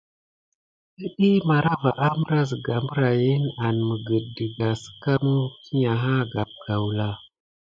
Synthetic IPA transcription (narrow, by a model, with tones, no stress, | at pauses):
ɗə˦ɗi˦ma˨ɾa˦va˨ʔa˦mə˦ɾa˦zə˨ɡa˨mbə˦ɾa˨ji˦na˨nmə˨ɡə˨də˨ɡa˨sə̥˦ka˦mu˦ki˦ɲa˨ɦa˦ɡa˨p̚ɡ̥a˨wla˨